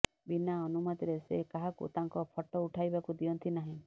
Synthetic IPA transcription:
binaɔnumat̪iɾesekaɦakṵt̪aŋkɔpʰɔʈɔuʈʰajbakud̪iɔnt̪ʰinaɦĩ

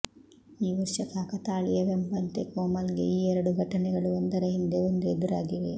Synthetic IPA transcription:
iːʋɐɾʂɐt̪ʰaːkɐt̪aːɭijɐʋembɐnt̪ekoːmɐlɡeiːɛɾɐɽuɡʱɐʈɐnɛɡɐɭuond̪ɐɾɐɦind̪e̞ond̪ued̪uɾaːɡiʋe

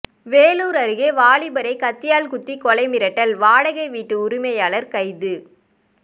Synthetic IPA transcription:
ʋeːluːɾɐɾɯɣeːʋaːɭɪbɐɾɐɪkɐt̪ːɪjaːlkʊt̪ːikɔlɐɪmɪɾɐʈːɐlʋaːɽɐɣɐɪʋiːʈːɯʊɾɪmɐjaːɭɐɾkɐɪðɯ

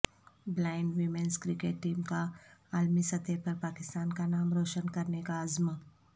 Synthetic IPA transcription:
blaːɪɳɖʋɪmenskɾɪkeʈːiːmkaaːlmisɐt̪epɐɾpaːkɪst̪aːnkanaːmɾoːʃənkɐɾnekaɐzm

